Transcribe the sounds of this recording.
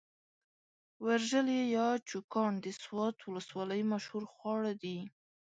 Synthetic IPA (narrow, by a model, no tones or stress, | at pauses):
waɾʒəljejɑt͡ʃukɑɳd̪əswɑt̪wʊləswɑləjmaʃhuɾxwɑɽad̪i